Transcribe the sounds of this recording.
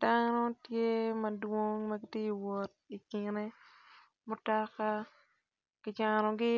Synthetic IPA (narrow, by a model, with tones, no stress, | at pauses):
danɔ˦tje˦mɐ˨dwo˦ŋmɐ˦ɡɪ˦tje˦i˨wɔ˨t̚i˨kɪ˨ne˦ | mo˦tɔ˦ka˦ | kɪ˨d͡ʒa˨nɔ˨ɡɪ˦